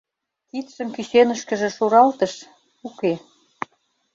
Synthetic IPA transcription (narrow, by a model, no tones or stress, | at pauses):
kit̪ʃə̆mkyɕenə̆ʃkə̆ʒĕʃuɾɑlt̪ə̆ʃ | uke